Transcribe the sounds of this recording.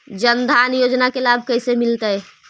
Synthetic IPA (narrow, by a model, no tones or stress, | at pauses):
d͡ʒənd̪ʱanjod͡ʒnakelabʱkəjsemilt̪əj